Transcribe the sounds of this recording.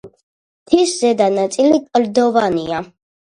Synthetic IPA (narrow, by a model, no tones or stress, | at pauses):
t̪ʰiszɛd̪anat̪sʼilikʼld̪ɔvania